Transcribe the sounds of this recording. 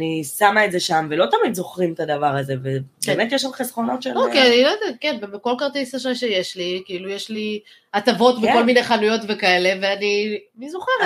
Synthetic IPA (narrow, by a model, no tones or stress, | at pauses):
nisamaedzeʃamvelo̞t̪amid̪zo̞χʁimt̪ad̪avaʁazevebemet̪jeʃamχesχo̞no̞t̪ʃelokianilod̪kenbebeko̞lkaʁt̪isaʃaʃeje̞ʃlikiilujeʃli | atavo̞t̪veko̞lmine̞χanujo̞t̪ve̞kae̞le̞veanimizuχeʁ